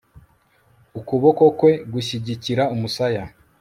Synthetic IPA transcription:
ukuβo̞ko̞kwe̞ɡuɕiɟiciɾaumusaja

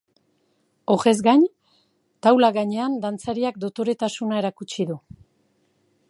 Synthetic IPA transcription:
o̞ɣe̞zɡaɲ | t̪awlaɣaɲe̞and̪ant͡saɾiak̚d̪ot̪o̞ɾe̞t̪asunae̞ɾakut͡ʃiðu

